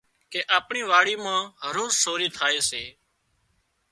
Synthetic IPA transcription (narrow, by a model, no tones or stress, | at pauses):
keːʔaːpɳiːʋaːɽiːmãːɦəɾoːzsoːɾiːt̪ʰaːeːseː